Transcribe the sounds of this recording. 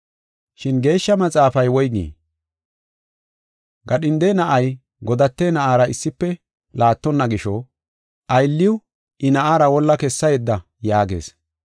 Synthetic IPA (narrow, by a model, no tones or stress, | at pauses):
ʃɪnɡe̞ːʃːɐmɐt͡sʼaːfɐjwɔjɡḭː | ɡɐɗɪnd̪ɛjnɐʔɐj | ɡɔd̪ɐt̪ːenɐʔaːɾɐɪsːɪpːɛ | laːt̪ːɔnːɐɡɪʃɔ | ʔɐjlːɪwʊ | ʔɪnɐʔaːɾɐwɔlːɐkɛsːɐjɛd̪ːɐ | jaːɡḛːs